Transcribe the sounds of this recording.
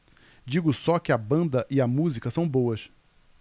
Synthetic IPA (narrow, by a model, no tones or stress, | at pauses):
d͡ʒiɡʊsɔkɪɐbɐ̃nd̪ɐʔɪɐmuzikɐsɐ̃w̃bowɐʃ